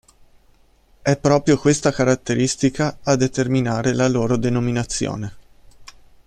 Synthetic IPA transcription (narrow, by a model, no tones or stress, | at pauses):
ɛpːɾɔːpɾjokwest̪akaɾat̪ːeɾist̪ikaːd̪ːet̪erminaːɾelaloːɾod̪enominat̪sːjo̰ːne